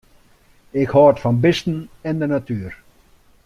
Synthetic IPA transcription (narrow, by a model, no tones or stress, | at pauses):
ɪkhɔːtfanbɪst̪n̩ɛnd̪ənat̪yːɾ